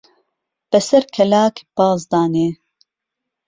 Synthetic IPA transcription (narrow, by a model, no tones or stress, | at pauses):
b̥ɛsɛɾkʰɛlaːkb̥ɑːzd̪ɑːneː